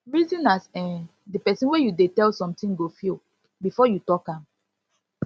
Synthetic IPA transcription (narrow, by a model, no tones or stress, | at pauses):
ɹizĩnasɛ̃ | dipɛsĩnwejudetɛlsɔ̃mtĩŋɡofil | bifɔjutɔkãm